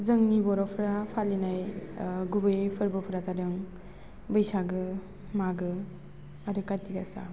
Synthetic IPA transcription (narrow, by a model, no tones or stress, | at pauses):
zɯŋnibɔɾɔpʰɯɾapʰalinajɡubɯjpʰɯɾbɯpʰɯɾatadɯŋ | bɯjsaɡɯ | maɡɯ | aɾɯkajtiɡasa̰